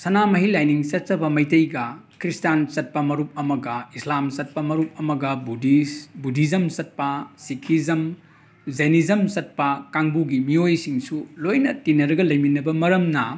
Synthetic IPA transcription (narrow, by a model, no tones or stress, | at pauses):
sɐnamɐɦilajniŋsɐt̚t͡ʃɐbɐmɐjtɐjɡɐkɾistansɐt̚pɐmɐɾup̚ɐmɐɡɐislamsɐt̚pɐmɐɾup̚ɐmɐɡɐbudisbudʱizɐmsɐt̚pɐsikʰizɐm | zɐjnizɐmsɐt̚pɐkaŋbuɡimiojsiŋsulojnɐtinɐɾɐɡɐlɐjminɐbɐmɐɾɐmnɐ